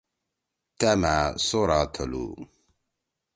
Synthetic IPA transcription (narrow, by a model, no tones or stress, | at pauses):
t̪ɛmasoɾat̪ʰəlṵ